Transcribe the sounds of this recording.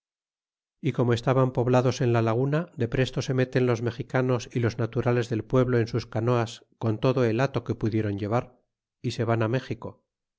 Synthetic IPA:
iko̞moe̞st̪aβampo̞βlaðo̞se̞nlalaɣ̞unad̪epɾe̞st̪o̞se̞me̞t̪e̞nlo̞zme̞xikano̞silo̞znat̪uɾale̞zðe̞lpwe̞βloensuskano̞asko̞nt̪o̞ðo̞e̞lat̪o̞ke̞puðje̞ɾo̞ɲɟe̞βaɾ | ise̞βaname̞xiko̞

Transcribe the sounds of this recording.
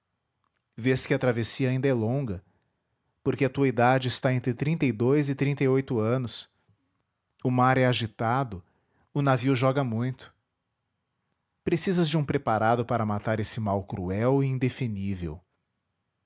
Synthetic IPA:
veskɪɐt̪ɾavesiɐaĩnd̪ɐɛlõɡɐ | poɾkeɐt̪uɐid̪ad͡ʒɪɪst̪aẽnt̪ɾɪt̪ɾĩnt̪ɐjd̪ojzɪt̪ɾĩnt̪ɐjojt̪ʊɐ̃nʊs | ʊmaɾɛaʒit̪ad̪ʊ | ʊnaviʊʒɔɡɐmũj̃t̪ʊ̥ | pɾesizɐzd͡ʒɪũpɾepaɾad̪ʊpaɾɐmat̪aɾesɪmawkɾṵɛwɪĩnd̪efinivḛw

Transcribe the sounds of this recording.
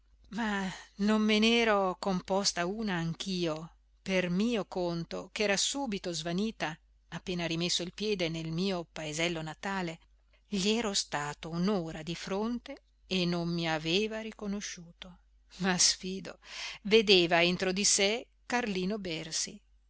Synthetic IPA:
manomːenɛːɾokompɔst̪auːnaːŋk̟ʰiːo | permiːokont̪okɛːɾasuːbit̪ozvaniːt̪aː | pːeːnaɾimesːoilpjɛːd̪enelmiːopaezɛlːonat̪aːle | ʎiɛːɾost̪aːt̪ounoːɾad̪ifɾont̪e | enːommiaveːvaɾikonoʃːuːt̪o | masfiːd̪o̰ved̪eːvaent̪ɾod̪ise | karliːnobɛrsi

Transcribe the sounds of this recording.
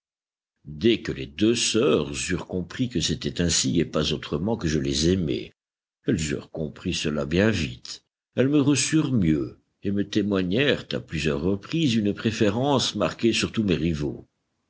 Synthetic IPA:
d̪ɛkəlḛd̪øsœːʁzyʁkɔ̃pχikəset̪ɛt̪ɛ̃siepazot̪χəmɑ̃kəʒəlezɛmɛ̰ | ɛlzy̰ʁkɔ̃pχisəlabjɛ̃vit̪ | ɛlməʁəsyʁmjø | emət̪emwaɲɛʁt̪a̰plyzjœʁːəpχizynpχefeʁɑ̃smaʁkʲesyʁt̪umeʁivo̰

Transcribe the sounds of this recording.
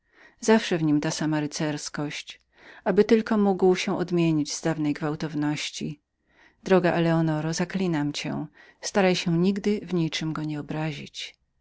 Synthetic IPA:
zafʂɛvɲimt̪asamaɾɘt̪sɛɾskɔɕt͡ɕ | ʔabɘt̪ɘlkɔmuɡwɕɛw̃ʔɔd̪mʲjeɲid͡ʑz̥d̪avnɛjɡvawt̪ɔvnɔɕt͡ɕḭ | d̪ɾɔɡaʔɛlɛɔnɔɾɔzaklʲinamt͡ɕɛ̰̃ | st̪aɾajɕɛ̃ɲiɡd̪ɘvɲit͡ʂɘmɡɔɲɛɔbɾaʑit͡ɕ

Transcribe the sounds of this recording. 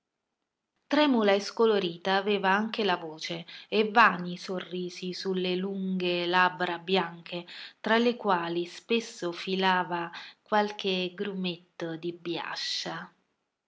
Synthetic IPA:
t̪ɾɛːmulaeskoloɾiːt̪aːvɛːvaaŋkelavoːt͡ʃeevːaːnisorːiːzisulːeluŋɡelabːɾabjaŋkʰet̪ɾalekwaːlispesːofilaːvakwalk̟eɡɾumet̪ːd̪ibja̰ʃːa

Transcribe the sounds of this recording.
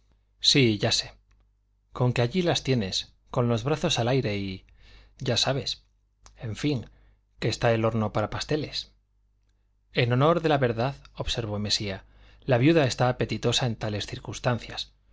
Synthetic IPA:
siʝase̞ | ko̞ŋkeaʝilast̪je̞ne̞s | ko̞nlo̞zβɾaθo̞salajɾe̞i | ɟ͡ʝasaβe̞s | e̞ɱfiŋ | ke̞ːst̪ae̞lo̞ɾno̞paɾapast̪e̞le̞s | e̞no̞no̞ɾðe̞laβe̞ɾðaðo̞βse̞ɾβ̞o̞me̞sia | laβjuðae̞st̪aːpe̞t̪it̪o̞sae̞nt̪ale̞sθiɾkunst̪anθjas

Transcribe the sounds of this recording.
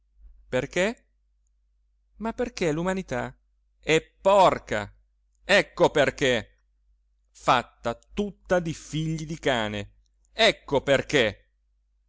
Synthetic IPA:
perk̟e | mapːerk̟elumanit̪a | ɛpːɔrka̰ | ɛkːoperk̟e | fat̪ːat̪ut̪ːad̪ifiʎːid̪ikaːne | ɛkːoperk̟e

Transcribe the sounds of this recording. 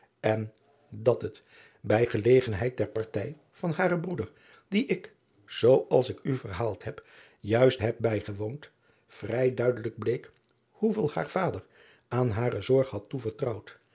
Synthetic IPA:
ɛn | dɑtɦət | bɛjχəlejχənɦɛjt̚dɛɹpɑɹtɛj | v̥ɑnɦaːɾəbrudəɹ | diʔɪk | z̥owɑlˠsɪkyvəɹɦaːlˠtɦɛp | jœɥstɦɛp̚bɛjχəʋownt | frɛjdœɥdələɡ̚blejk | huvɪːlˠha̰ːɹv̥aːdəɹ | aːnɦaːrəzɔɹχɦɑtːuvəɹtrʌwt

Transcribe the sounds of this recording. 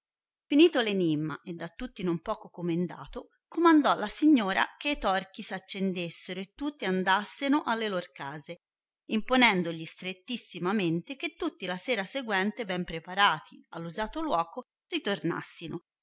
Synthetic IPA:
finiːt̪olenimːa̰ʔed̪ːat̪ːut̪ːinompɔːkokomend̪a̰ːt̪o | komand̪ɔlːasiɲːoːɾa̰keit̪ɔrkisat͡ʃːend̪esːeɾoet̪ːut̪ːiand̪asːenoʔalːeloɾkaːze | imponɛnd̪oʎist̪ɾet̪ːisːimament̪ek̟et̪ːut̪ːilasɛːɾaseɡwɛnt̪ebɛmpɾepaɾaːt̪ʰia̰lːuzaːt̪olwɔːko | rit̪orna̰sːino

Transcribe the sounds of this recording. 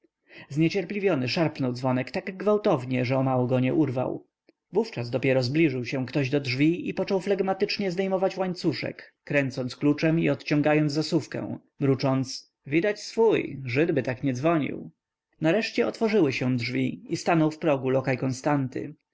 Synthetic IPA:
zɲɛt͡ɕɛɾplʲivjɔnɘʂaɾpnɔwd̪zvɔnɛkt̪aɡɡvawt̪ɔvɲɛʐɛɔmawɔɡɔɲɛʔuɾva̰w | vuft͡ʂazd̪ɔpʲjɛɾɔzblʲiʐɘwɕɛw̃kt̪ɔʑd̪ɔdʐvʲiipɔt͡ʂɔwflaɡmat̪ɘt͡ʂɲɛzd̪ɛjmɔvat͡ɕwaɲt̪suʂɛ̰kːɾɛnt̪sɔnsklut͡ʂɛmiɔt̪t͡ɕɔ̃ŋɡajɔnzasufkɛ̰̃w̃ | mɾut͡ʂɔnt̪s | vʲid̪at͡ɕsfujʐɘd̪bɘt̪akɲɛd̪zvɔɲḭw | naɾɛʂt͡ɕɛɔt̪fɔʐɘwɘɕɛw̃dʐvʲiist̪anɔwfpɾɔɡulɔkajkɔnst̪ant̪ɘ̰

